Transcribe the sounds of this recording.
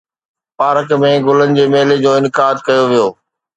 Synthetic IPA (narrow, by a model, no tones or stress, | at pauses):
paːɾəkmẽɡʊlənɪ̆d͡ʑeːmeːled͡ʑoːɪnkaːd̪kɐjoʋijoː